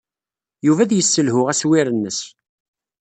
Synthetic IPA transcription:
juvæðjəsːəlɦʊʁæswiɾənːəs

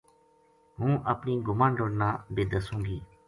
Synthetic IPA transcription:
ɦũːʔəpniːɡʊmaːnɖoːɽnãːbeːd̪əsũːŋɡiː

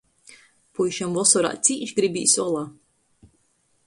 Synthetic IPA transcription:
pujʃamvɔsɔɾa̰ːt̪sʲiːt͡ʃɡɾibʲḭːsɔlˠaː

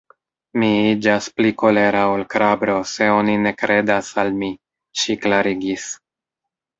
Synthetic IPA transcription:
miid͡ʒaspliko̞le̞ɾaolkɾabɾo̞se̞o̞nine̞kɾe̞dasalmi | ʃiklaɾiɡis

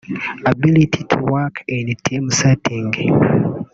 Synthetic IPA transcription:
abilitʰitʰuwakʰɛ̃ndtʰːemusatːeŋɡe

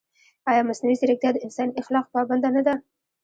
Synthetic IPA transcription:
ɑjɑmasnawizeɾɪk̚t̪jɑd̪əɪnsɑnɪxlɑqpɑband̪anad̪a

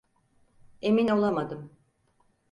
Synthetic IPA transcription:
e̞mino̞lˠamad̪ɯm

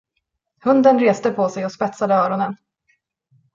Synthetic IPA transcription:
hɵnd̪ənɾeːst̪əpʰɔsɛjɔspɛt̪sad̪əœːɾɔnən

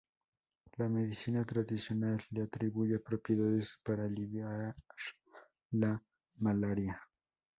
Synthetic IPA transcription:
lameðisinat̪ɾadðisjonalːeat̪ɾiβujapɾopjeðaðespaɾaliβjaɾ | la | malaɾja

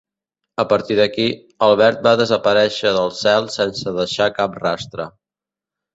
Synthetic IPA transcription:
əpəɾt̪iðəki | əlˠβ̞ɛɾt̪̚baðəzəpəɾɛʃəðəlˠsɛlˠsɛnsəðəʃakap̚rast̪ɾə

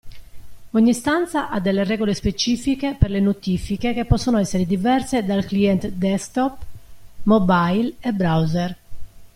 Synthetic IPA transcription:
oɲːist̪ant̪saʔad̪ɛlːerɛɡolespet͡ʃiːfikeperlenot̪iːfikekepːɔsːonoɛsːeɾed̪ivɛrsed̪alkliɛnt̪d̪ɛst̪ɔpmobajlɛbɾawzer

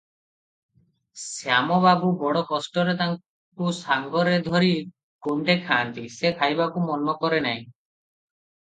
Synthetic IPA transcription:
sjamɔbabubɔɽɔkɔsʈɔɾet̪aŋ | kusaŋɡɔɾed̪ʱɔɾi | koɳɖekʰaːnt̪isekʰajbakumɔnɔkɔɾena̰ɦĩ

